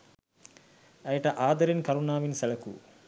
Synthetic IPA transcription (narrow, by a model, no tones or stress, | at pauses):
ɐjɐʈɐʔaːd̪ɐɾinkɐɾunaːʋinsɐlɐkṵ